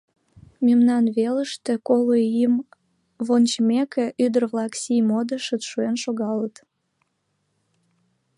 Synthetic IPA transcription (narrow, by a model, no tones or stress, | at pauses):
memnɑnβeləʃt̪ekoloim | βont͡ɕmekeʔyd̪ərβlɑksijmod̪əʃət̪ʃuenʃoɣɑlət̪